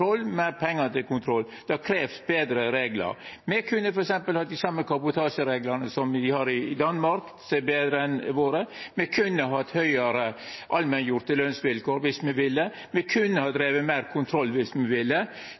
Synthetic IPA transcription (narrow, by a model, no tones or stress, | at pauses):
ɾɔlːmæɪɾpʰɛŋːɑt̪ɪlkʊnt̪ʰɾɔlː | d̪̥ɑkʰɾeːʋsbeːd̪ɾəɾeːɡlə̰ɾmɛkʰʉnːəfɔɾɛksɛmpəlhɑd̪ɪsɑmːəkʰɑbʊt̪ʰɑːʂəɾeːɡlənəsɔmd̪ɪhɑɾɪd̪ɑnmɑɾk | sɛbeːd̪ɾəɛnʋoːɾəmɛkʰʉnːəɦɑt̪ːhœʏəɾəʔɑlmənjʊɾt̪ːəløːnsʋɪlkoːɾʋɪsmɛʋɪlːə | mɛkʰʉnːəhɑd̪ɾeːʋəmæɪɾkʰʊnt̪ʰɾɔlːʋɪsmɛʋɪlːə